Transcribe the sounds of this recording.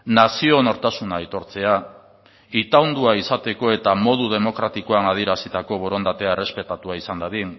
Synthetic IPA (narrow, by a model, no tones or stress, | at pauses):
nasio̞noɾt̪asunait̪o̞ɾt͡se̞a | it̪awnd̪uaisat̪e̞ko̞e̞t̪amo̞ð̞uð̞e̞mo̞kɾat̪ikoanað̞ieɾasit̪ako̞βo̞ɾo̞nd̪at̪e̞aere̞spe̞t̪at̪uaisand̪aðin